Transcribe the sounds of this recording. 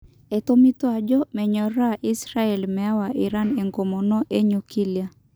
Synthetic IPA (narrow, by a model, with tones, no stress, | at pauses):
ɛ˨t̪o˦mi˦t̪wa˨d͡ʒɔ˦mɛ˨ɲɔ˨ɾa˦ʔi˦sɾa˦ɛ˨lmɛ˨a˦wa˨ʔi˨ɾa˦ne˨ŋɡo˨mɔ˨nɔ˦ʔe˦ɲu˨ki˦lja˦